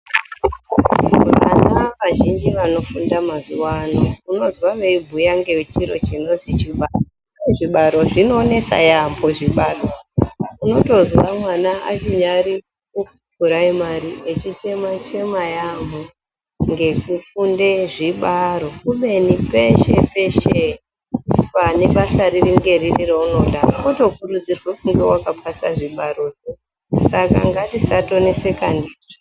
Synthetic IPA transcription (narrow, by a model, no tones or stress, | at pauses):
ʋa̰naʋaʒind͡ʒiʋano̞fundamazuwanouno̞zwaʋeibʱujaŋɡe̞wet͡ʃiɾo̞̰t͡ʃino̞zit͡ʃiɓaro | eʐiɓaɾo̞ʐino̞ːne̞sa̰jambo̞ʐiɓaɗouno̞to̞zwamwanaa̰t͡ʃiɲaɾi | ukupuɾaimaɾiʔet͡ʃit͡ʃe̞mat͡ʃe̞majamu | ŋɡe̞kufunde̞ʐiɓaɾo̞kuɓe̞nipe̞ʃe̞pe̞ʃe | pane̞ɓasaririŋɡe̞ririrouno̞ɗakuto̞kuɾud͡zirwekuŋɡe̞wakapʰasaʐiɓaɾo̞ʐo | saka̰ŋɡatisato̞ne̞se̞kandiri